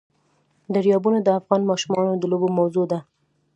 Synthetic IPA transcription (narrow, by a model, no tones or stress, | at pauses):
d̪əɾijɑbunad̪əafɣɑnmɑʃumɑnod̪əlobomawzod̪a